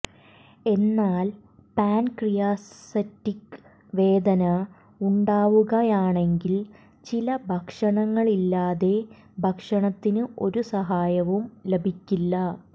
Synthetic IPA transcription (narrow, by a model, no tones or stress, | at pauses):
e̞nːaːl | paːnkrijaːssɐtːik | ʋe̞ːd̪ɐnɐ | uɳɖaːʋuɣɐjaːɳe̞ŋɡil | t͡ɕilɐbʱɐkʂɐɳɐŋːɐɭilːaːðe̞ | bʱɐkʂɐɳɐt̪ːinɨʔo̞ɾusɐɦaːjɐʋumlebʱikʲːilːɐ